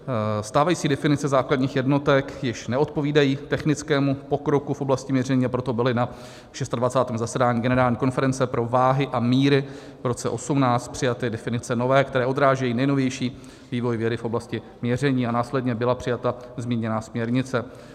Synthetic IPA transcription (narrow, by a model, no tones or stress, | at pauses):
st̪aːvajiːt͡siːdɛfɪnɪt͡sɛzaːkladɲiːxjɛdno̞t̪ɛkjɪʃnɛʔot̪̚po̞viːdajiːt̪ɛxnɪt͡skɛːmupo̞kɾo̞kufʔo̞blascɪmɲɛrɛɲiːapɾo̞t̪o̞bɪlɪna | ʃɛst̪advat͡saːt̪ɛːmzasɛdaːɲiːɡɛnɛɾaːlɲiːko̞nfɛɾɛnt͡sɛpɾo̞vaːɦɪʔamiːɾɪ | vɾo̞t͡sɛ̰ʔo̞sumnaːt͡st̪̚pr̝̥ɪjat̪ɪdɛfɪnɪt͡sɛno̞vɛːkt̪ɛɾɛːʔo̞d̪ɾaːʒɛjiːnɛjno̞vjɛjʃiː | viːvo̞jvjɛdɪfʔo̞blascɪ | mɲɛr̝ɛɲiːanaːslɛdɲɛbɪlapr̥ɪjat̪azmiːɲɛnaːsmɲɛɾɲɪt͡sɛ